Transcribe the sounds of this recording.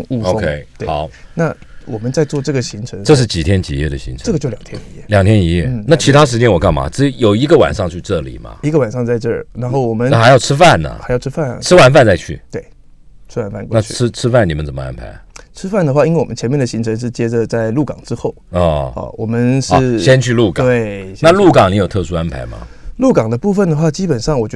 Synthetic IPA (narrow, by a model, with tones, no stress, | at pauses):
ŋu˥˧˩o˧ʊo˥kʰŋe˥ɪt̪we˥˩ɑ˨˦ʊna˥˩wɔ˨˩mə˦nt͡sa˥˧ɪt͡swɔ˥˧ʈ͡ʂɤ˥˩ɡə˩ɕi˧˥ŋʈ͡ʂʰɤ˧˥ŋʈ͡ʂɤ˥˧ʂɻ̩˥˩t͡ɕi˨˩t̪ʰjɛ˥nt͡ɕḭ˨˩jɛ̰˥˩d̪ə˩ɕḭ˧˥ŋʈ͡ʂʰʈ͡ʂɤ˥˩ɡə˩t͡ɕjo˥˩ʊljɑ˨˩ŋt̪ʰjɛ˥ni˧˥jɛ˥˩˨ljɑ˨˩ŋt̪ʰjɛ˥ni˧˥jɛ̰˥˩na˥˩t͡ɕʰi˧˥t̪ʰa˥ʂɻ̩˧˥t͡ɕjɛ˥nwɔ˨˩kɑ˥˩ŋma̰˨˥ʈ͡ʂɻ̩˥jo˨˩ʊi˧˥ɡə˧wa̰˨˩nʂɑ˥˧ŋt͡ɕʰy˥˧ʈ͡ʂɤ˥˩lḭ˨˩mɐ̰˦i˧˥ɡə˧wa˨˩nʂɑ˥˧ŋt͡sa˥˧ɪʈ͡ʂɤ˥˩na˧˥nxo˥˩ʊwɔ˨˩mə˦na˥˩xɪjɑ˥˩ʊʈ͡ʂʰɻ̩˥fa˥˩nːə̰˨˩xa˧˥ɪjɑ˥˧ʊʈ͡ʂ̩ʰ˥fa˥˩nɐ̰˩ʈ͡ʂʰɻ̩˥wa˧˥nfa˥˧nt͡sa˥˧ɪt͡ɕʰy̰˥˩t̪we˥˩ɪ | ʈ͡ʂʰɻ̩˥wa˨˩nfa˥˩nkw̪a˥˨y˥ʈ͡ʂʰɻ̩˥ʈ͡ʂʰɻ̩˥fa˥˩ni˨˩mə˦nt͡sə˨˩mə˦a̰˦˥npʰa̰˧˥ɪʈ͡ʂʰɻ̩˥fa˥˩nd̪ə˩xwa˥˩i˥nwe˥˩wɔ˨˩mə˦nt͡ɕʰɛ˧˥nmjɛ˥˩nd̪ə˩ɕi˧˥ŋʈ͡ʂʰə˧˥ŋʂ̬ɻ̩˥˩t͡ɕjɛ˥ʈ͡ʂə˨t͡sa˥˧ɪlu˥˩kɑ̰˨˩ŋʈ͡ʂɻ̩˥xo˥˩ʊɔ˥˧˩ɐ̰˧˩wʔɔ˨˩mə˦nʂɻ̩˧˥˧ɕjɛ˥nt͡ɕʰy˥˧lu˥˩kɑ˨˧we˥˩na˥˧lu˥˩kɑ˨˩ŋni˨˧˥jo˨˩ʊt̪ʰɤ˥˧ʂu˥a˥npʰa̰˧˥ɪmɐ̰˧lu˥˩kɑ˨˩ŋd̪ə˦pu˥˩fə˨˩nd̪ə˩xwa˥˩t͡ɕi˥pə˨˩nʂɑ˥˩ŋwɔ˨˩t͡ɕ